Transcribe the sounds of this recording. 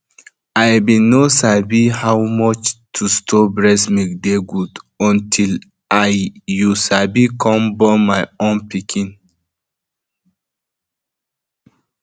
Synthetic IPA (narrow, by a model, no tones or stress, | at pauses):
ajbĩnosabihawmɔt͡ʃtʰustʰɔbɹɛsmik̚deɡudɔ̃ntʰil | ajjusabikʰɔ̃mbɔmajõnpikʰĩn